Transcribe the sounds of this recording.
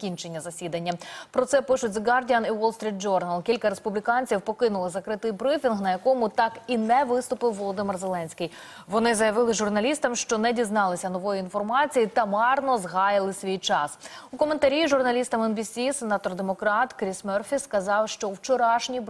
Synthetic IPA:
kʲint͡ʃe̞nʲːɐzɐsʲid̪ɐnʲːɐpɾɔsɛpɪʃʊtʲzɡɑrdʲiɐniwɔlˠst̪ɾʲit̪̚d͡ʒɔrnɐlˠkʲilʲkɐɾe̞spublʲikɑnʲt͡sʲiwpɔkɪnʊlˠɪzɐkɾɪt̪ɪjbɾɪfʲinɦnɐjɐkɔmʊt̪ɑkinɛʋɪst̪ʊpɪwːɔlˠɔd̪ɪmɪrzelˠɛnʲsʲkɪj | ʋɔnɪzɐjɐʋɪlˠɪʒʊrnɐlʲist̪ɐmʃt͡ʃɔnɛdʲiznɑlˠɪsʲɐnɔʋɔjiinfɔrmɑt͡sʲijit̪ɐmɑrnɔzɦɑjɪlˠɪsʲʋʲijt͡ʃɑsukɔme̞nt̪ɐɾʲiʒʊrnɐlʲist̪ɐmɛnbʲisʲisenɑt̪ɔrd̪emɔkɾɑt̪kɾʲismɛrfʲiskɐzɑwʃt͡ʃɔwt͡ʃɔɾɑʃnʲi

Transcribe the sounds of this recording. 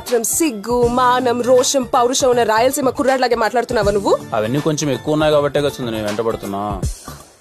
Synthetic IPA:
t̪ɾɐmsiɡːumaːnɐmɾɔːʂɐmpɐwɾuʃɐunːɐɾaːjɐlsiːmɐkuɾaːɽlaːɡeːmaːʈlaːɽt̪unːaːʋɐnuʋːuɐ̰ʋɐnːiːko̞ɲt͡ʃemekːuʋɐunːaːjkaːbɐʈːeːkɐt͡ʃːund̪ineːʋɛɳʈɐbɐɽut̪unːa̰ː

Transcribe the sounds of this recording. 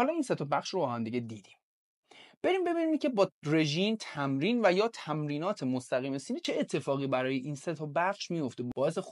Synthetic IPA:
hɒːlɒːiːnset̪ʰɒbæχʃrobɒːhæmd̪iɟed̪iːd̪̥im | b̥e̞ɾimbe̞biːnicʰʲe̞bɒːre̞ʒiːmt̪ʰæmɾiːnvæjɒːt̪ʰæmɾiːnɒːt̪ʰe̞most̪æɣiːme̞siːniːt͡ʃʰe̞ːt̪ʰːe̞fɒːɣiːbæɾɒːje̞ʔiːnset̪ʰɔbæχʃmijo̞ft̪ebɒːe̞sex

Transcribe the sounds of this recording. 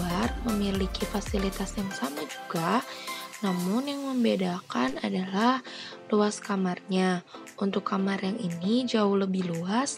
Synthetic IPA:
arməmilikifasilit̪asjaŋsamad͡ʒuɡa | namʊnjaŋməmbedakana̰dalah | luaskamarɲaʔunt̪ʊkːamarjaŋinid͡ʒaʊhləbɪhluas

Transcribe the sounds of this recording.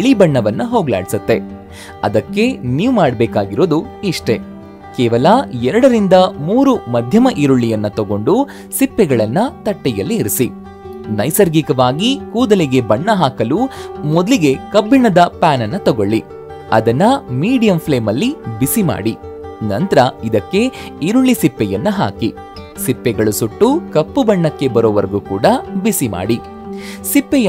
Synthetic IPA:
ɭibɐɳːɐʋɐnːɐɦo̞ːɡla̰ːɽisɐt̪ːe̞ | ɐ̰d̪ɐkːe̞niːʋumaːɽɐbɛːkaːɡiɾoːd̪uiʂʈe̞ | kɛːʋɐlɐɛɾɐɽɐɾind̪ɐmuːɾumɐd̪ʱjɐmɐʔiɾuɭːijɐnːɐt̪ɔɡo̞ɳɖu | sipːɛɡɐɭɐnːɐt̪ɐʈːɛjɐlːiːɾisi | nɐjsɐɾɡikɐʋaːɡikuːd̪ɐlɛɡe̞bɐɳːɐɦaːkɐlumɔd̪liɡe̞kɐbːiɳɐd̪ɐpaːnɐnːɐt̪ɔɡo̞ɭːi | ɐ̰d̪ɐnːɐmiːɽijɐmpʰle̞ːmɐlːibisima̰ːɽinɐnt̪ɐɾɐid̪ɐkːe̞iɾuɭːisipːɛjɐnːɐɦa̰ːki | sipːɛɡɐɭusuʈːukɐpːubɐɳːɐkːe̞bɐɾɔːʋɐɾɐɡukuːɽɐbisima̰ːɽi | sipːɛj

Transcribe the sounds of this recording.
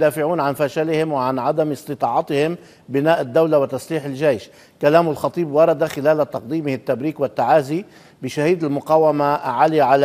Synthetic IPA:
d̪aːfɪʕuːnʕanfaʃalɪhɪmwɪʕanʕad̪amɨsˤt̪ɨt̪ˤɑːʕɑt̪ɪhɪm | bɪnaːʔɪd̪ːawlawɪt̪asliːħɪlʒejʃ | kalaːmʊlxɑt̪ˤiːbwɑɾˤɑd̪axɪlaːlat̪ɑq̚d̪iːmɪhɪt̪ːabɾiːkwɪt̪ːaʕaːzi | bɪʃahiːd̪ɪlmʊqɑːwamaʕaliʕal

